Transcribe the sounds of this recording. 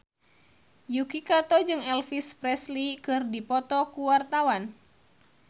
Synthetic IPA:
jukikat̪ɔd͡ʒɨŋɛlfispɾɛslikɨrdipɔt̪ɔkuwart̪awan

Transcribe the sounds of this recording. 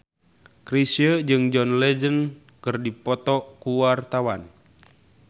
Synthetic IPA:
kɾisiəd͡ʒɨŋd͡ʒɔnlɛd͡ʒən | kɨrdipɔt̪ɔkuwart̪awan

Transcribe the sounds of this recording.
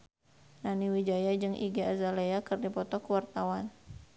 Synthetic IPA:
naniwid͡ʒajad͡ʒɨŋʔḭɡiazaleakərdipɔt̪ɔkuwart̪awan

